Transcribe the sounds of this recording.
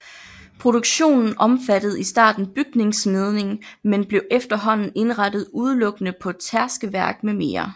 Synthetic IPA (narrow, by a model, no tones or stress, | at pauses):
pʰʁo̝ɾ̥uɡ̥ɕo̝̰ːnn̩ʔɒ̽mfæd̥əð̞̩ˠisd̥ɑ̰̈ːd̥n̩b̥yɡ̥ne̝ŋsmeð̞ˠne̝ŋmenb̥le̝ʊʔefd̥ɐɦɒ̽n̰n̩e̝nʁɑd̥ð̞̩ˠuð̞ˠlɔ̽ɡ̥ənəpʰɒ̽t͡sʰæɐsɡ̥əʋæɐɡ̥̚meme̝̰ːɐ